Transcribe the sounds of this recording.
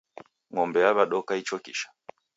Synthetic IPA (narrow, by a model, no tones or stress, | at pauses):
ŋɔmbɛjaβaɗɔkait͡ʃɔkḭʃḁ